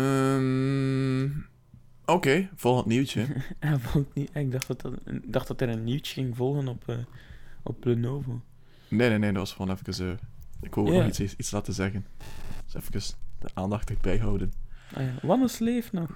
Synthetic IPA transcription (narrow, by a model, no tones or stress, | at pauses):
əm | okeːv̥ɔlˠxəətniwtjəavɔlˠtniɛɪɡ̚dɑxtɑtdɑxtd̥ɑtɛɾənːiwtəɣɪŋvɔlˠɣənɔpʰəːʔɔ̰p̚blənoːvo | neneːneːdɑtʋɑsxəroːnɛfəkəsəːɪkʋəlˠʋnχitsitslaːtənzɛɣənsɛ̰fəkəsd̥əʔaːndɑxtəbɛjɦɑwdənʔa̰jaʋɑnəsleːfnɔx